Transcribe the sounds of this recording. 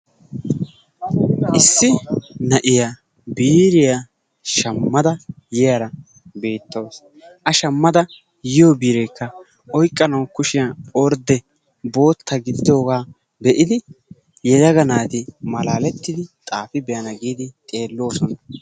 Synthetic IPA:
ʔɪsːɪnɐʔɪja | biːɾɪja | ʃɐmːɐd̪ɐ | jɪjɐɾɐ | be̞ːt̪ːɐws | ʔɐʃɐmːɐd̪ɐ | jɪjoːbiːɾɛjkʰːɐ | ɔjkʼːɐnɐwkʊʃɪjaɔɾd̪ɛ | bo̞ːt̪ːɐɡɪd̪ɪd̪o̞ːɡaː | bɛʔɪd̪ɪ | jɛd̪ɐɡɐnaːt̪ɪmɐlaːlɛt̪ːɪd̪ɪt̪ʼaːfɪbɛjɐnɐɡiːd̪ɪt̪ʼe̞ːlːo̞ːsɔnɐ

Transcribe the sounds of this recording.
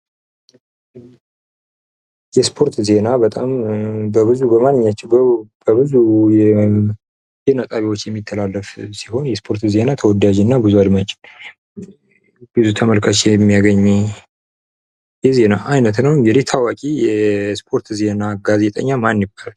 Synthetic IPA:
jɛspʰo̞ɾt̪ze̞nabət̪ʼambəbɨzubəmanːɨɲːat͡ʃːɪbbəbɨzujɛ | zenat̪ʼaβiwo̞t͡ʃːjɛmːit̪ʰːəlalːəfsi̥ho̞njɛspʰo̞ɾt̪ze̞nat̪ʰəwɔd̪ad͡ʒɪnːabɨzuad̪mat͡ʃʼɪ̥n | bɨzut̪ʰəməlkʰat͡ʃːɛɛmːijaɡəɲːɛ | jɛze̞naʔajnət̪nəwjɛlet̪ʰawakʼijɛspʰo̞ɾt̪ze̞naɡaze̞t̪ʼə̰ɲːamanjɪbal

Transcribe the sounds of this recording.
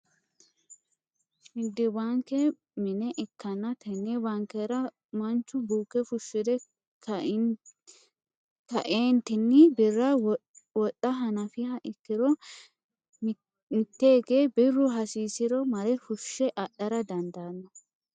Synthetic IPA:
mɪd̪ːɪwaːŋkɛ | mɪnɛʔɪkːɐnːɐt̪ʰɛnːɛbɐŋkɛɾɐ | mɐnt͡ʃːʊbuːkːɛfʊʃːɪd̪ɛ | kɐʔeːnt̪ɪnːɪbɪrːɐwɔtːɐɦɐnɐfɪhɐʔɪkːɪɾɔ | mɪt̪ːeːɡe̞ːbɪrːʊɦɐsiːsɪɾɔmɐɾɛfʊʃːɛʔɐɗːɐɾɐd̪ɐnd̪aːnːɐ

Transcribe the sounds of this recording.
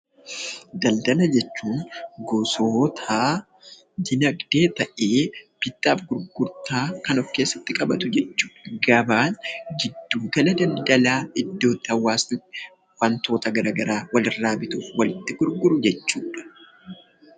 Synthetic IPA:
d̪ɐld̪ɐlɐd͡ʒɛt͡ʃːuːŋɡɔsoːt̪ʰaː | d̪ɪnɐɡd̪̥e̞ːt̪ɐʔe̞ːb̥ɪt̪ːaːfɡʊɾɡʊɾt̪aːkɐnɔfkeːsːɐt̪ːɪkʼɐbɐt̪ʊd͡ʒɛt͡ʃːu̥ːᶑɐ̥ɡɐbaːnd͡ʒɪd̪ːuːɡɐlɐd̪ɐld̪ɐlaːɪd̪ːo̞ːt̪ːɪhɐwːaːsn | fɐnt̪o̞ːt̪ɐɡɐɾaɡɐɾaːwɐlɪrːaːbɪt̪uːfwɐlɪt̪ːɪɡ̥ʊɾɡʊɾʊd͡ʒɛt͡ʃːuːᶑɐ̥

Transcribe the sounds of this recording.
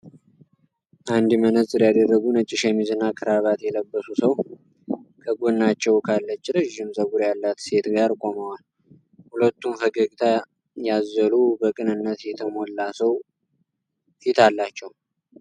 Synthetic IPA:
ʔand̪mənəsʼɨɾjad̪ərːəɡunət͡ʃʼːɪʃɛmizɨnːakʰɨɾaβat̪jɛləbːəsusəw | kʰəɡonːat͡ʃːɛwkʰalːət͡ʃːɾəʒːɪmzəβuɾjalːat̪se̞t̪ɡaɾkʼo̞məwal | hulət̪ːumfəɡəɡʼt̪ʰa | jazːəlubəkʼɨnɨnːət̪jɛt̪ʰəmo̞lːasəw | fit̪ʰalːat͡ʃːɛw

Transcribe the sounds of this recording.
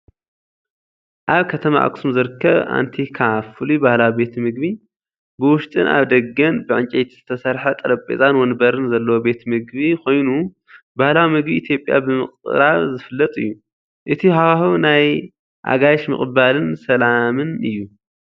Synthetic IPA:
ʔaβkʰɐt̪ʰɐma̰ʔa̰ksumzɨɾɨkʰːɐβa̰nt̪ʰikʰafɨlibahlawibe̞t̪mɨɡ̚bi | bɨwʊʃt̪ʼɨ̰nʔa̰βd̪ɐɡːɐnbɨʕɨnt͡ʃʼejt̪ʰiz̥ɨt̪ʰɐsɐɾħɐt̪ʼɐɾɐpʼḛzʼanwɔnbɐɾɨnzɐlːɐwobe̞t̪mɨɡβikʰo̞jnu | bahlawimɨɡbiʔːt̪ʰjo̞pʼːja̰bɨmɨ̰χʼɾaβzɨfɨlːɐt̪ʼɨ̰jːu | ʔɨt̪ʰiɦawahunaj | ʔa̰ɡajʃmɨ̰χʼbalɨnsɐlamɨnɨjːu

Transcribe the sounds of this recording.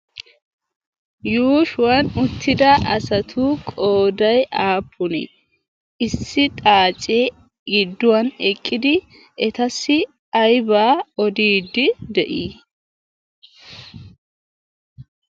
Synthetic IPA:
juːʃʊwɐnʊt̪ːɪd̪ɐɐsɐt̪ʰuːkʼoːd̪ɐjʔaːpʰːʊnɛ̰ | ɪsːɪt̪ʼaːt͡ʃʼːeː | ɡɪd̪ːʊwɐnɛkʼːɪd̪ɪ | ɛt̪ɐsːɪ | ɐjbaːɔd̪iːd̪ɪd̪ɛʔiː

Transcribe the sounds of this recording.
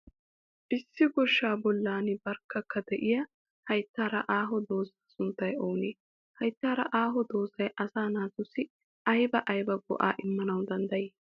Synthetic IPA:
ʔɪsːɪɡɔʃːaːbɔlːaːnɪbɐɾkːɐkːɐd̪ɛʔɪjɐ | hɐjt̪ːaːɾɐʔaːɦɔd̪o̞ːzɐɐsʊnt̪ːɐjoːneː | hɐjt̪ːaːɾɐʔaːɦɔd̪o̞ːzɐjʔɐsaːnaːt̪ʊsːɪ | ʔɐjbɐʔɐjbɐɡɔ̰ʔa̰ːʔɪmːɐnɐwd̪ɐnd̪ɐjeː

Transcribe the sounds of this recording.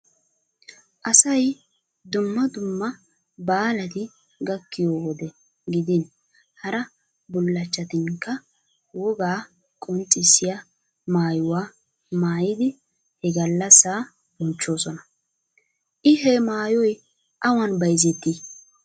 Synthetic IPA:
ʔɐsɐj | d̪ʊmːɐd̪ʊmːɐ | baːlɐt̪ɪ | ɡɐkːɪjoːwɔd̪ɛ | ɡɪd̪ɪn | hɐɾɐ | bʊlːɐt͡ʃːɐt̪ɪŋkːɐ | wɔɡaː | kʼɔnt͡sʼːɪsːɪjɐ | maːjʊwaː | maːjɪd̪ɪ | hɛɡɐlːɐsːaː | bʊnt͡ʃːo̞ːsɔnɐ | ʔɪɦɛmaːjɔj | ʔɐwɐnbɐjzɛt̪ːi

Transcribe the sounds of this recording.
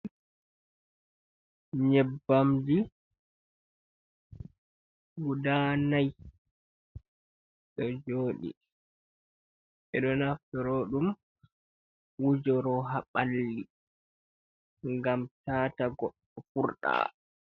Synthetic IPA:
ɲɛbːamd͡ʒi | wudanaj | ɗɔd͡ʒoːɗḭ | ʔɛɗɔnaftɔɾoɗum | wud͡ʒɔɾɔɦaɓalːi | ŋɡamtaːtaɡɔɗːɔfuɾɗa̰ː

